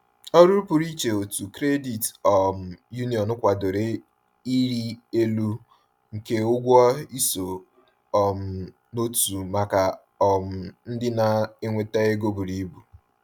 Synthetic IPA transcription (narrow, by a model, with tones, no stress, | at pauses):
ɔ˦ɾu˦ɾu˦pʊ˨ɾi˦t͡ʃe˨o˨tu˨kɾe˦di˨tɔ˨m̩˨ju˦ni˨ɔ˨nʊ˦kʷa˨do˨ɾe˦ | i˦ɾi˦e˦lu˦ | ŋ̩˨ke˦ʊ˦ɡʷɔ˦i˦so˨ | ɔ˨m̩˨ | no˦tu˨ma˨ka˨ | ɔ˨m̩˨n̩˦dɪ˦na˨e˦ŋʷe˦te˦e˦ɡo˦bu˨ɾi˦bu˨